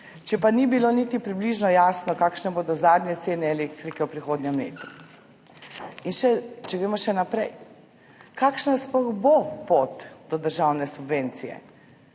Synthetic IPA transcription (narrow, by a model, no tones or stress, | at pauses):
t͡ʃɛpanibilonit̪ipɾibliʒnɔjaːsnɔkaːkʃnɛboːd̪ɔzaːd̪njɛt̪seːnɛːlekt̪ɾikɛwpɾixoːd̪nʲjɛmlḛːt̪u | inʃɛt͡ʃɛʋeːmɔʃɛnapɾɛj | kaːkʃnasplɔɣbopot̪d̪̥ɔd̪əɾʒawnɛsubʋeːnt̪sijɛ̰